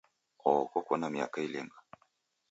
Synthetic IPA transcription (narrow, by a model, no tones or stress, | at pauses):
ɔɔkɔkwɔnamia̰kailɛŋɡa